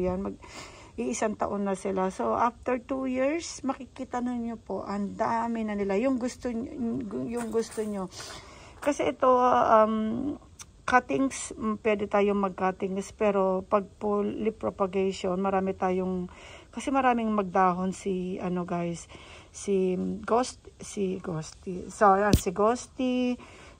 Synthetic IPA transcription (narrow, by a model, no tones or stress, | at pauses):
janmɐɡ̚ | ʔɪʔɪsaŋt̪ɐ̰ʔo̞nːɐsɪlaso̞ʔaft̪ɛɹt̪ujiɹsmɐkɪkiːt̪ɐnonːopo̞ʔɐnd̪aːmɪnɐnɪlajʊŋɡʊst̪o | jʊŋɡʊst̪oɲo | kɐsɛʔɛt̪o̞ʔɐm | kat̪ɪŋspwɛːd̪ɛt̪aːjoŋmɐɡ̚kat̪ɪŋspɛɾo̞pɐɡ̚pollɪpɾopɐɡɛʃonmɐɾaːmɪt̪aːjoŋkɐsɛmɐɾaːmɪŋmɐɡ̚d̪aːɦonsɪʔɐno̞ɡajsːɪɡost̪sɪɡost̪isoɐnsɪɡost̪i